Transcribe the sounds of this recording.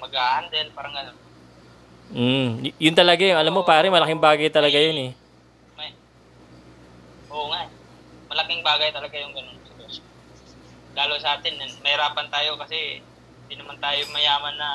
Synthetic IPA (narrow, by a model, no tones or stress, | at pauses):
mɐɡaʔhand̪ɛɪlpaːɾɐŋɡɐno̞n | m̩jjʊnt̪ɐlɐɡajʊʔɐlamːo̞paːɾɐmɐlɐkɪŋbaːɡɐjt̪ɐlɐɡajonɛ | mɐ | ʔoːŋaʔ | mɐlɐkɪŋbaːɡɐjt̪ɐlɐɡajʊŋɡɐno̞nsɛɡɛso | ɡaːlowsɐʔaːt̪ɪnːʊnmɐhɪɾaːpɐnt̪aːjo̞kɐsɛ | hhɪnd̪inɐmant̪aːjomɐjaːmɐnːɐ